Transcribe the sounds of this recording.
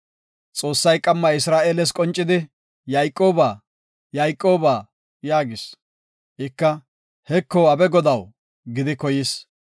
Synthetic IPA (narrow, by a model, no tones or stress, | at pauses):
t͡sʼo̞ːsːɐjkʼɐmːɐɪsɾaːʔeːlɛs̬kʼɔnt͡ʃʼːɪd̪ɪ | jɐjkʼːo̞ːbaː | jɐjkʼːo̞ːbaː | jaːɡɪs | ʔɪkːɐ | hɛkːɔːɐbɛɡɔd̪ɐw | ɡɪd̪ɪkɔjɪs